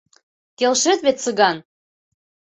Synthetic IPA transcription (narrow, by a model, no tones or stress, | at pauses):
kelʃĕt̪βet̪sɤɣɑn